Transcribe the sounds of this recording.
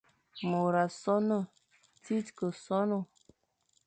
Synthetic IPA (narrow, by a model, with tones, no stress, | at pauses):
mo˨ɾa˨sɔ˦nə˦˨ | ti˦tkə˨sɔ˦no˦˨